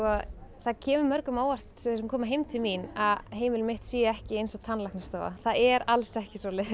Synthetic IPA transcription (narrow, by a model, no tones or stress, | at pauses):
ɔθacʰɛːmʏmœɾkʏmaːwar̥t̪sɛθsɛmkʰɔːmaɦeːjmt̪ʰɪlminaðɦeːjmɪlmɪht̪siːjaɛhcɪejnsɔɣt̪ʰanːlaknast̪a̰ːva̰θaðɛɾalsɛhcɪsɔːlɪ